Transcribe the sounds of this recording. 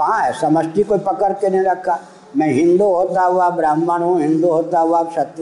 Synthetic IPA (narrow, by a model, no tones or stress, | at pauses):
kɐɦãɦɛsɐməsʈikoipɐkəɾkeneɦĩɾɐkʰːa | mɛ̃ːɦɪ̃nd̪uɦoːt̪aɦɛɦuaːbɾaːmːaɽ̃ɦũɦɪ̃nd̪uɦoːt̪aɦɛoaːpsɐt̪